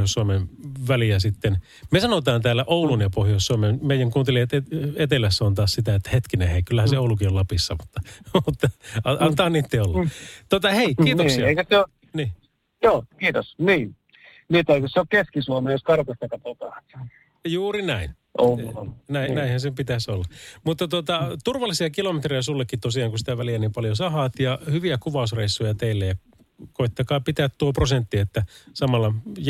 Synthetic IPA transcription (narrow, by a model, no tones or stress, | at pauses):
joˑsːuɑmenʋæliæsit̪ːen | mesɑnot̪ɑːnt̪æːlːæʔoˑulunjɑpohjoˑsːuɑmenmeijæŋkuːnt̪eliɑt̪eet̪elæsːont̪ɑːssit̪æet̪ːæhet̪kineheikylːæhænsseoulukiollɑpisːɑmut̪ːɑmut̪ːɑɑʔɑnt̪ɑːɑnːiːt̪ːeolːɑt̪ot̪ɑheikiːt̪osiɑeˑikøseo | niː | joːkiːt̪osniː | niːt̪eikøsseokkeskisuomejoskɑrkost̪ɑkːɑp̪ot̪ɑt̪ | juːrinæin | ʔonæinnæihænsepit̪æsolːɑmut̪ːɑt̪ot̪ɑt̪urʋɑlːˑisiɑkilomet̪riæsulːekːit̪osiɑːŋkusit̪æʋæliænimpɑljosɑhɑːt̪jɑhyʋiækuʋɑˑusreisːujɑt̪eilːejɑ | koit̪ːɑkɑːpit̪æːt̪t̪uoprosent̪ːiet̪ːæsɑmɑlːɑj